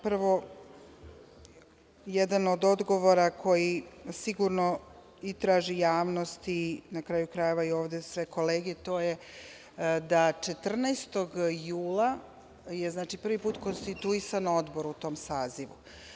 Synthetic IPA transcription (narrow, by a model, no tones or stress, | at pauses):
pɾʋo̞ | jed̪ano̞d̪o̞d̪ɡo̞ʋo̞ɾakʰo̞jisiɡuɾno | it̪ɾaːʒijaːʋnost̪inakɾaːjukɾaje̞ʋaio̞ːʋd̪esʋe̞ko̞leːɡet̪o̞ːje | d̪at͡ʂet̪r̩nast̪o̞ɡjuːlˠa | jeznaːt͡ʃipr̩ʋipuːt̪ko̞nst̪it̪uisano̞d̪boɾut̪o̞ːmsaːziʋṵ